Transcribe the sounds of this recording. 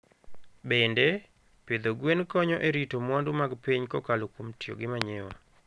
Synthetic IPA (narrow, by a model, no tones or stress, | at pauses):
bendɛ | ped̪oɡwenkɔɲɔʔeɾitomwandumaɡpiɲkɔkalokomtjo̰ɡɪmaɲewa̰